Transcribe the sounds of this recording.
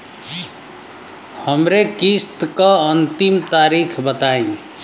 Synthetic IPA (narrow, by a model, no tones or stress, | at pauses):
həmɾekist̪kaənt̪imt̪aɾikʰbət̪aẽ